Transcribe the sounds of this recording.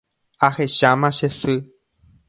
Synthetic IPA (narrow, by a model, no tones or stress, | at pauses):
aheʃamãʃesɨ